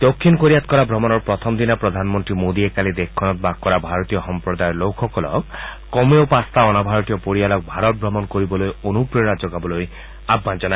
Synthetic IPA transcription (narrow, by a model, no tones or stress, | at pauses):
d̪okʰːinɔkoɾiat̪̚kɔɾabʱɾɔmɔnɔɾpɾɔt̪ʰɔmd̪inapɾɔd̪ʱanmɔnt̪ɾimod̪iekalid̪ekʰːɔnɔt̪̚bakkːɔɾabʱaɾɔt̪ijɔxɔmpɾɔd̪ajɔlowkʰɔkɔlɔ̰kkɔmeopast̪aɔnabʱaɾɔt̪ijɔpoɾialɔk̚bʱaɾɔt̪̚bʱɾɔmɔnkoɾibɔlojonupɾɔɾad͡ʒɔɡabɔloj | abʱːand͡ʒɔna